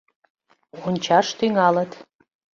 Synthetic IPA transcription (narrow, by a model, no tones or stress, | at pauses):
onʲt͡ɕɑʃt̪yŋɑlə̆t̪